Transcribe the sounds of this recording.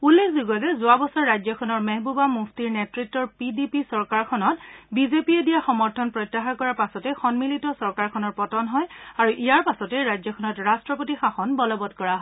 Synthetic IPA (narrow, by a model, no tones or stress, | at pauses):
ulːekʰzuɡɔtɛzʊabɔsaɹːajd͡ʒzjɔkʰɔnɔɹmɛɦbubamuxtiɹnɛtɹitːɔɹpidipisɔɹkaɹkʰɔnɔtbizepiedijaxɔmɔɹtʰɔnpɹɔjtːaxakɔɹapasɔtɛxɔnmilitɔsɔɹkaɹkʰɔnɔɹpɔtɔnɦɔjaɹuʔijaɹpasɔtɛɹajzɔkʰɔnɔtɹastɹɔpotixaxɔnbɔlɔbɔtkɔɹaɦ